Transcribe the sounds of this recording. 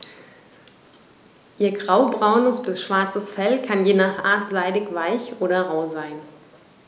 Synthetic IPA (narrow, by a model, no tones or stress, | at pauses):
ʔiːɐɡʁaʊbʁaʊnəsb̥ɪsʃv̥aɐt͡səsfɛlkʰanjeːnaːχʔaɐtz̥aɪdɪçv̥aɪçʔoːɾɐʁaʊzaɪn